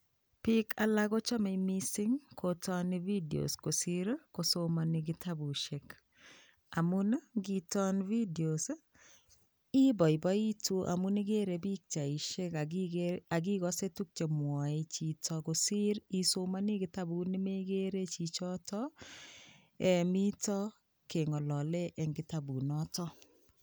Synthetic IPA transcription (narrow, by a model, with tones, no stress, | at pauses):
pi˦kʰa˨la˦ɡo˦t͡ʃɔ˦me˨mi˦sɪ˦ŋkʰotʰɔnivi˦dio̰˨sko˨si˦ɾko˨soma˨nɪɡɪ˦tʰa˦bu˨ʃe˨k | a˨mu˦n˦ɡi˨tɔ˦nvi˦dio˨s | i˦bɔ˨ɪ˨bɔ˦i˦tu˦ʔa̰˨mu˦ni˦ɡe˦ɾe˨bi˦k̚t͡ʃa˨i˨ʃe˦ka˨ɡea˨ɡi˦ɣɔ˦se˦tu˦k̚t͡ʃe˨mwɔ˨e˦t͡ʃi˨tʰɔ˦ko˨si˦ɾi˨so˦ma˦ni˦ɡɪ˦ta˦bu˨ni˦me˦ɡe˦ɾe˦t͡ʃi˨t͡ʃɔ˦tɔ˦ | e˨mi˦tɔ˦ | ke˨ŋɔ˨lɔ˨le˦ʔɛ˨ŋɡɪ˦ta˨bu˨nɔ˦tɔ˦